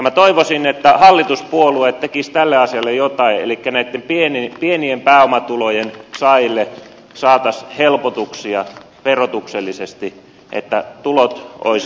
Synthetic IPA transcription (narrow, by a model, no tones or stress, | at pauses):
ɑmæt̪oiʋosinet̪ːæhɑlːit̪uspuoluet̪t̪ekist̪ælːeɑsiɑlːejot̪ɑiḛlikːænæit̪ːempienipieniempæːomɑt̪ulojensɑilːe | sɑːt̪ɑshelpot̪uksiɑ | ʋerot̪ukselːisest̪i | ʔḛt̪ːæt̪ulot̪o̰is